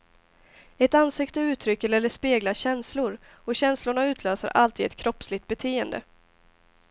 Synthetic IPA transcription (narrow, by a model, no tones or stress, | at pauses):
ɛt̪ansɪkt̪əʉ̟ːt̪ʰɾʏkːəɾɛlːəʂpeːɡlaɕɛnslʊɾ | ɔɕɛnslʊɳaʉ̟ːt̪ʰløːsə̰ɾʔalt̪ʰiːd̪ɛt̪kʰɾɔpːslɪkt̪̚bɛt̪ʰeːənd̪ə̰